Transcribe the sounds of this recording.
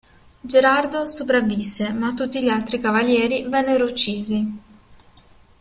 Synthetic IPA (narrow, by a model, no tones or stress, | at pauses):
d͡ʒeɾard̪osop̬ɾavːisːemat̪ːut̪ːiʎialt̪ɾikavaljɛːɾivɛnːeɾout͡ʃːiːzi